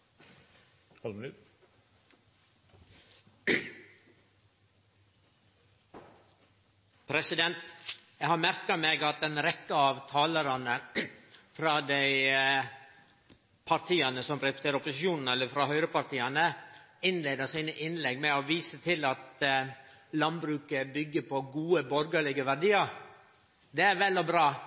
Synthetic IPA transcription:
pʰɾɛsɪd̪ɛnt̪jæɪhɑɾmæɾkɑmeːɡɑt̪ɛnɾɛkːəɑʋt̪ʰɑːləɾɑnə | fɾɑːd̪æɪ | pʰɑɾt̪ʰiːɑnəsɔmɾɛspə̥st̪eːɾɔpʊsɪʃjuːnn̩ɛlːəfɾɑhœʏɾəpɑɾt̪iːɑnəɪnleːd̪əsiːnəʔɪnlɛɡmɛoʋiːsət̪ʰɪlɑt̪ | lɑnbɾʉːkəbʏɡːəpɔɡuːəbɔɾɡəɭɪɡəʋæɾɖiːɑɾ | d̪eːæɾʋɛlɔbɾɑː

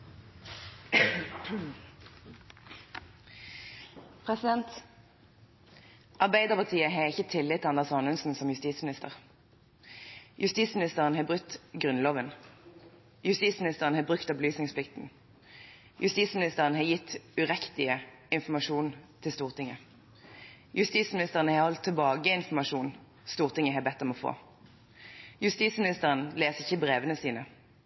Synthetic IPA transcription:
pʰʁɛsɪd̪ɛnt̪ | ʔɑʁbæɪd̪əʁpɑt̪ʰiːəɦɑːʁɪçət̪ʰɪlːɪt̪ʰːɑnd̪əʁsɑnʉnsn̩sɔmjʉst̪iːsmɪnɪst̪ə̰ʁ | jʉst̪iːsmɪnɪst̪əʁənhɑːbʁʉt̪ɡʁʉnloːʋən | jʉst̪iːsmɪnɪst̪əʁənhɑːbʁʉkt̪ɑbəlyːsnɪŋsplɪkt̪n̩ | jʉst̪iːt̪smɪnɪst̪əʁənɦɑːjɪt̪ːʉʁɛkt̪ɪə | ɪnfɔmɑʂuːnt̪ʰɪlst̪uːʁt̪ʰɪŋːə | jʔʉst̪iːt̪smɪnɪst̪əʁənəhɑʁhɔlt̪ʰːɛlbɑːɡəɪnfɔmɑʂuːn | st̪uːʁt̪ɪŋːəɦɑbɛt̪ːɔmɔfo̰ː | jʉst̪iːt̪smɪnɪst̪əʁənleːsəɪçəbʁeːʋənəsiːnə

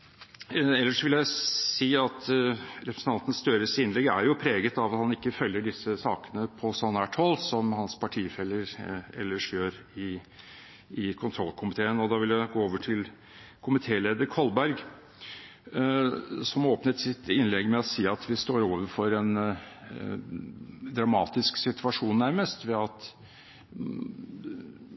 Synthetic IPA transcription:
ɛlːəʂʋɪljæɪsiːɑt̪ɾɛpɾəsn̩ɑnt̪ən̩st̪œːɾəsɪnlɛɡæ̰ɾjʊpʰɾeːɡət̪ɑʋɑt̪hɑnɪkːəfœljːəɖɪsəsɑːkə̥nəpʰɔsɑnæʈhɔlsɔmhɑnspʰɑʈʰiːfɛlːəɾɛlːəʂjøːɾɪ | ɪkʰʊnt̪ʰɾɔlːkʰʊmɪt̪ʰeːənɔd̪ɑːʋɪljæɪɡoːoːʋəʈʰɪl | kʰʊmɪt̪ʰeːleːd̪əɾkʰɔlbæɾɡ | sɔmoːpnət̪sɪt̪ɪnlɛɡmɛɔsiːɑt̪ʰʋɪst̪oːɾoːʋəɾfɔɾɛn | d̪ɾɑmɑːt̪ɪsksɪt̪ʰʋɑʂuːnːæɾməst̪ʋɛɑt̪

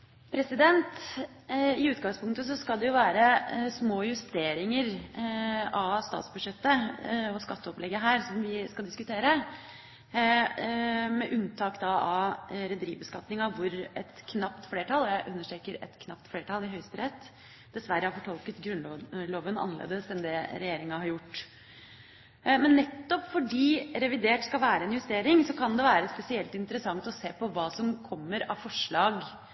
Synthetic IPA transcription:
pʰɾɛsɪd̪ɛnt̪ | ɪʉːt̪ɡɑŋspʰʊŋk̚t̪əs̬ɔskɑlˠd̪ɛjʊʋæːɾəsmoːjʉst̪eːɾɪŋəɾ | ɑst̪ɑ̰ːt̪sbʉd̪ʂɛt̪ːəɔskɑt̪ːəɔplɛɡːəɦæːɾsɔmʋɪskɑld̪ɪskʉt̪ʰeːɾə | mɛʔʉnt̪ʰɑːkd̪ɑɑɾɛd̪əɾiːʋbəskɑt̪nɪŋɑʋʊɾɛt̪kʰnɑpt̪fleːʈʰɑlːˠɔjæɪʔʉnːəʂʈɾeːkəɾɛ̰t̪kʰnɑpt̪fleːʈʰɑlɪɦœʏst̪əɾɛt̪ː | d̪̥ɛsʋæɾːəhɑɾfɔʈʰɔlˠkət̪ɡɾʉnloːʋənɑ̰nːəlḛːd̪əsɛnd̪ɛɾɛjeːɾɪŋɑhɑɾjʊʈː | mɛnːɛt̪ːɔpfɔɖiːɾɛʋɪd̪eːʈskɑlʋæːɾəɛːnjʉst̪eːɾɪŋsɔkʰɑnd̪ɛʋæːɾəspɛsɪɛlt̪ɪnt̪əɾəsɑŋt̪ɔseːpɔʋɑːsɔmkʰɔmːəɾɑʋfɔʂɭɑːɡ

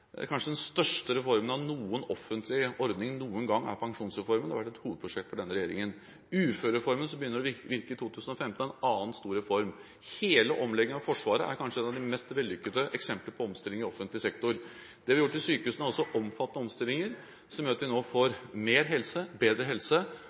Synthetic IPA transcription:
æ̰ɾkʰɑnʂəd̪ɛnst̪œʂʈəɾɛfɔɾmənɑʋnuːənɔfənt̪lɪʔɔɾd̪nɪŋnuːənɡɑŋːæ̰ɾpʰɑŋʂuːnsɾɛfɔɾməɛhɑʋæʈːɛt̪huːʋəd̪̚pʰɾʊʂɛkt̪fɔɖɛnːəɾɛjeːɾɪŋən | ʉːføːɾɛfɔɾməns̬ɔbəjʏnːəɾɔɪʋɪɾkəɪt̪ʰuːt̪ʰʉːsən̩ɔfɛmt̪ən̩ɛnɑːənst̪uːɾɛfɔɾm | heːləʔɔmlɛɡːəɑʋfɔʂʋɑːɾəæ̰ɾkʰɑnʂəɛnɑʋd̪ɪmɛst̪ʋɛlːʏkːəd̪əʔɛksɛmpləɾpʰɔɔmst̪ɪlːɪŋəɾɪɔfənt̪lɪsɛkt̪ʊɾ | d̪̥ɛhɑʋɪjʊʈːɪsyːkəhʉːsnəɔsːɔʔɔmfɑt̪ːənəɔmst̪ɪlːɪŋəɾ | sɔmjøːɾɑt̪ʋɪnoːfoɾmeːɾɦɛlsəbeːd̪ɾəɦɛlsə

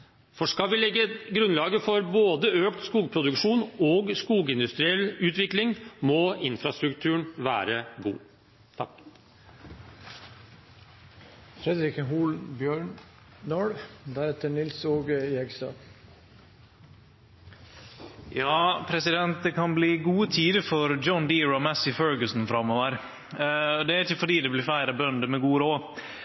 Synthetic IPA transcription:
fɔʂkɑlʋɪlɛɡːəɡɾʉnlɑːɡəfɔɾboːd̪əøːkt̪skuːɡpʰɾʊd̪ʉkʂuːnoɡskuːɡɪnd̪ʉst̪ɾɪɛlːʉːt̪ʋɪklɪŋmɔɪnfɾɑst̪ɾʉkt̪ʰʉːɳʋæ̰ːɾəɡṵː | fɾɛd̪ɾɪkəɦuːlnbjøːɳ | nɔɽd̪æɾɛt̪ənɪlsoːɡəjɛɡst̪ɑ̰ː | jɑːpʰɾɛsɪd̪ɛnt̪̚d̪ɛkʰɑnbliːɡuːət̪ʰiːd̪əfɔɾd͡ʒɔnd̪iːɹʊmæsɪfœɹɡəsnfɾɑmːɔːʋəɾ | ɔd̪ɛæɾɪçəfɔɖiːd̪ɛblɪfæɪɾɑbœnd̪əmɛɡuːəɾoː

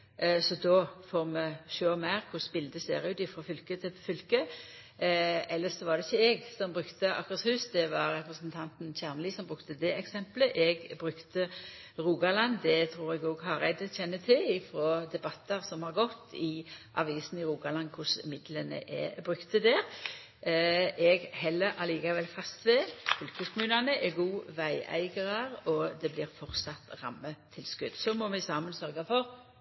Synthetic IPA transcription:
sɔd̪ofoːʁmɛçøːmæɪʁkʰʊsbɪld̪əseːɾʉːt̪ɪfɾɑfʏlkət̪ʰɪfʏlkə | ɛlːəsɔʋɑʁd̪ɛɪçːəɛɡsɔmbɾʉkt̪əɑ̰kəshʉːsd̪ɛʋɑɾːɛpɾəsənt̪ʰɑnt̪nçæʁmliːsɔmbʁʉkt̪əd̪ɛɛksɛmpləʔɛɡbɾʉkt̪əɾuːɡɑlɑnd̪ɛt̪ʰɾuːɾɛɡoːɡɦɑɾæɪd̪əçɛnːət̪ʰɪlɪfɾoːd̪ɛbɑt̪ːəɾsɔmhɑʁɡɔt̪ːɪʔɑ̰ʋiːsnɪɾuːɡɑlɑnkʰʊsmɪd̪lənə̰ʔɛ̰bɾʉkt̪əd̪ɛːɾ | ʔɛɡhɛlːəɾʔɑliːkɑʋɛlfɑst̪ʋɛkʰʊlkəskʰʊmʉːnɑnəʔɛɡuːʋæɪʔæ̰ɪɡəʁɑɾɔd̪ɛblɪːɾfɔʁt̪sɑt̪ɾɑ̰mːət̪ʰɪlskʉd̪sɔmɔmɛsɑːmənsœʁɡɑfɔʁ

